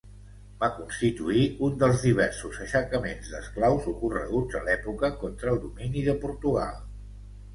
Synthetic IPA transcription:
bakunst̪it̪uiund̪əlˠzðiβ̞ɛɾsuzəʃəkəmenzd̪əsklawzukurə̰ɣud͡zə̰lɛpukəkɔnt̪ɾəːlˠd̪uminiðəpuɾt̪uɣa̰lˠ

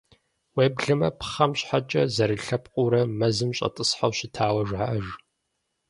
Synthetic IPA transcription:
weːbɮɨmɐpʰχɐmɕħat͡ʃʼɐzɐɾɨɬɐpqʼʊɾɐmɐzɨmɕʼɐ̰tʼɨsħawɕɪtʰaːwɐʒʷʕaʔɐʒ

